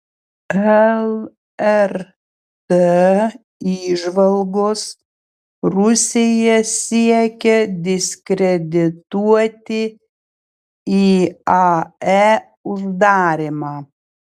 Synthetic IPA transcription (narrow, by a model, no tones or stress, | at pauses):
ɛlˠ | ɛɾ | t̪e | iːʒʋɐlˠɡoːs | ɾʊsʲejɛsʲiɛkʲɛd̪ʲɪsʲkɾʲɛd̪ʲɪt̪uɔt̪ʲɪ | iːɑɛ | ʊʒd̪ɑːɾʲɪmɑː